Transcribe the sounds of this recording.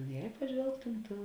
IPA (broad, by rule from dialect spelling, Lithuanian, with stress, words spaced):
jɛ pɐˈʒʲʋʲɛlˠktʊm ˈtʊ